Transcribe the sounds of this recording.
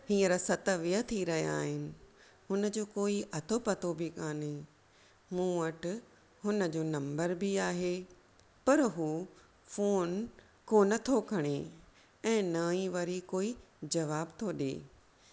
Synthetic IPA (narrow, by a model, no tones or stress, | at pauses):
hĩːəɾəsɐt̪əʋijət̪ʰiɾɐɦija̰ːɦɪnɪ̆ɦʊnəd͡ʑoːkoːiʔɐt̪ʰopɐt̪obɪkaːne | mũːəʈ | ɦʊnəd͡ʑoːnɐ̃mbəɾbɪaːɦeː | pɐɾɦuː | foːn | koːnɐt̪ʰokʰɐɽ̃e | ɛ̃ːnɐiʋɐɾikoːid͡ʑɐʋaːbt̪ʰoːɗḛː